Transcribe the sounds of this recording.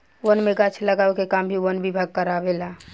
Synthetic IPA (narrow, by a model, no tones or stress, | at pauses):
wənmeɡat͡ʃʰləɡaːwekekambʱiwənbibʱaɡ̚kəɾaʋela